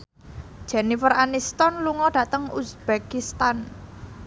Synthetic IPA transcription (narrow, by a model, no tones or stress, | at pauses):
d̥ʒ̥ɛnifəranist̪ɔnluŋɔɖ̥ä̤t̪əŋusb̥ekist̪an